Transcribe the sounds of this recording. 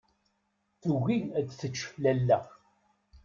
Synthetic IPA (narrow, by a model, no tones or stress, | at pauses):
θuɣiæd̪θət͡ʃːə̥flælːæ